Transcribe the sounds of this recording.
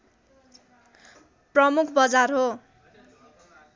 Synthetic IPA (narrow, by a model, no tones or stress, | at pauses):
prʌmukʰbʌd͡zarɦo